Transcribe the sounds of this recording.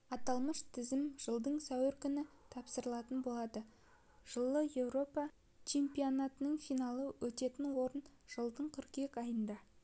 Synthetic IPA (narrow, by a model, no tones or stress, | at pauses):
ɑt̪ɑlˠməʃt̪ʰɪzɪmʒ̥əlˠd̪əɴsæwɪɾkʲʰʏnɪt̪ʰɑpsəɾəlˠɑt̪ənbo̞lˠɑd̪ə | ʒ̥əlˠːəje̞wɾo̞pɑ | t͡ʃʰe̞mpijo̞nɑt̪ənəɴfijnɑlˠəwʔɵt̪e̞t̪ɪnwo̞ɾənʒ̥əlˠd̪əɴkʲʰʏɾkʲe̞kɑjənd̪ɑ